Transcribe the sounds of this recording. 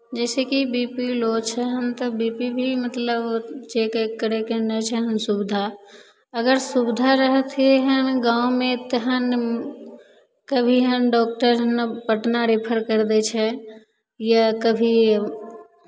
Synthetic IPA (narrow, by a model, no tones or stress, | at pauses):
d͡ʒɛːsekibiːpilot͡ʃʰɛɦəmt̪ɔbipibʱimət̪ləbt͡ʃeːkekːəɾekennət͡ʃʰɛɦəmsubd̪ʱa | əɡəɾsubd̪ʱaɾəɦət̪eɦəmɡãomẽt̪əɦən | kəbʱiɦəmɖɔːk̚ʈəɾɦəmnpəʈnaɾipʰəɾkəɾd̪et͡ʃʰɛ | jakəbʱi